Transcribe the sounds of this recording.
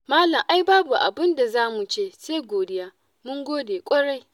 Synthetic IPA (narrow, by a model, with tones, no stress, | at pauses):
maː˦lɐ˨mʔa˦jbaː˦bu˨ʔa̰˨bɪ˦nda˨zaː˦mu˨t͡ʃeː˦˨seː˦ɡʷoː˨dɪ˦jaː˦ | mʊ˦ŋɡʷoː˦deː˨kʷʼɐ˦ɽa˦˨j